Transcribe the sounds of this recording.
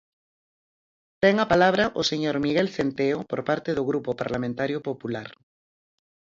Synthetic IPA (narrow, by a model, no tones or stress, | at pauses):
t̪eŋapalaβ̞ɾaʔoseɲoɾmiɣelθent̪eopo̰ɾpaɾt̪eðoɣɾupopaɾlamẽnt̪aɾjopopulaɾ